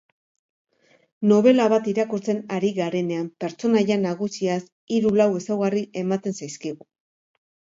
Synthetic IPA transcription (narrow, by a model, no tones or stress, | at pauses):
no̞β̞e̞laβat̪iɾakuɾt͡se̞naɾiɣaɾe̞ne̞ampe̞ɾt͡ʃo̞naʎanaɣ̞usias | iɾulawe̞sawɣariʔe̞mat̪e̞nsajskiɣu